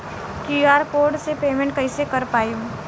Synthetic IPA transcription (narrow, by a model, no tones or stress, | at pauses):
kuaːɾpoːɾɖsepeːmɛ̃ɳʈ̚kɐɪsekɐɾpaːjũː